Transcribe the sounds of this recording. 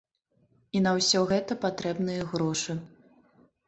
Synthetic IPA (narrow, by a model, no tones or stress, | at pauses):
inɐwsʲɔɣɛt̪ɐpat̪ɾɛbnɨjɐɣɾɔʂɨ